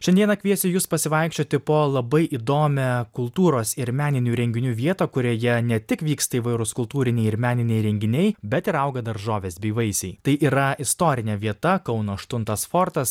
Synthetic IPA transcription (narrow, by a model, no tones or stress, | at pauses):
ʃʲɛnd̪ʲiɛnɐkʲʋʲiɛsʲɪjuːspɐsʲɪʋɐˑɪkʃʲt͡ʃʲoːt̪ʲɪpoːlˠɐbɐɪʔid̪oːmʲɛkʊlˠt̪uːɾoːsɪɾmʲæːnʲɪnʲuːɾʲɛŋʲɡʲɪnʲuːʋʲiɛt̪ɐːkʊɾʲoːjɛnʲɛt̪ʲɪkʋʲiːkst̪ɐiʋɐɪɾʊskʊlˠt̪uːɾʲɪnʲɛɪɪɾmʲæːnʲɪnʲɛɪɾʲɛŋʲɡʲɪnʲɛɪbʲɛt̪ɪɾɐʊɡɐd̪ɐɾʒoːʋʲeːsbʲiːʋɐɪsʲɛɪt̪ɐɪʔiːɾɐɪst̪oːɾʲɪnʲɛʋʲiɛt̪ɐkɐʊnoːʃt̪ʊnt̪ɐsfoːɾt̪ɐs